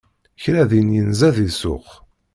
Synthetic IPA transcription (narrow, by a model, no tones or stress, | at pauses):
çɾæðinjənzæðisʊ̰χ